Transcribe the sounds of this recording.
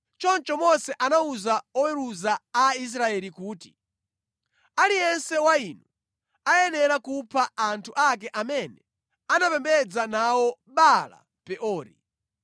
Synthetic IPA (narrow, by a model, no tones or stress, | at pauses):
t͡ʃɔnt͡ʃɔmɔsɛʔanauzaɔwɛɾuzaais̬ɾaɛlikuːti | alijɛnsɛwainu | ajɛnɛɾakupʰaantʰuʔak̬ɛʔamɛnɛ | anapɛmbɛd͡zanawɔɓala̰ | pɛʔɔːɾḭ